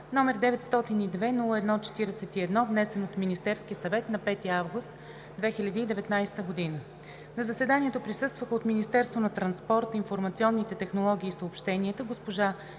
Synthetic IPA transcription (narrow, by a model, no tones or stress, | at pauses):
nɔmɛɾd̪ɛvɛt̪st̪ɔt̪inid̪vɛnulˠəɛd̪nɔt͡ʃɛ̥t̪iɾɛsɛt̪iɛd̪nɔvnɛsɛnot̪minist̪ɛɾskiəsɐvɛt̪nɐpɛt̪iavɡust̪ | d̪vɛxilʲəd̪iːd̪ɛvɛt̪najsɛ̥t̪əɡod̪inə | nɐzɐsɛd̪aniɛt̪opɾisɤst̪vəxəot̪minist̪ɛɾst̪vonɐt̪ɾɐnspɔɾt̪infoɾmɐt̪siɔnːit̪ɛt̪ɛxnolˠɔɡ̟ʲiːsəopʃt̪ɛniət̪əɡospoʒa